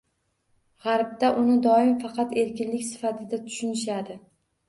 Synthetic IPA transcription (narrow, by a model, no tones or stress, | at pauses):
ʁɑɾb̚d̪aʔʊnɪd̪ɒɪmfɑqɑt̪e̞ɾkʲɪnlɪkʲsɪ̥fat̪ʰɪd̪at̪ʰʊ̥ʃʊnɪʃad̪ɪ